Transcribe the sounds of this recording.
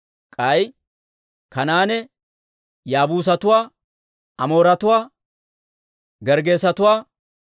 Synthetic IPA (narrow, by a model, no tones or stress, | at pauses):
kʼɐj | kɐnaːnɛ | jaːbuːs̬ɐt̪ʊwaː | ɐmo̞ːɾɐt̪ʊwaː | ɡɛɾɡe̞ːsɐt̪ʊwaː